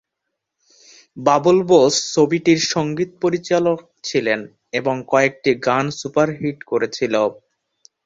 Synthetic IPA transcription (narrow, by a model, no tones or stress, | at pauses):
babulbosːobiʈiɾʃɔŋɡit̪̚poɾit͡ɕalok̚t͡ɕʰilen | eboŋkɔek̚ʈiɡansupaɾɦiʈkoɾet͡ɕʰilo